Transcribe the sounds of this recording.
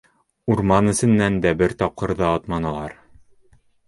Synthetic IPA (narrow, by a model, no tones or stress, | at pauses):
uɾmɑnɘ̆sɘ̆nːænd̪æbɘɾt̪ɒp̚qɤ̆ɾðɑɒt̪mɑnɑlˠɑɾ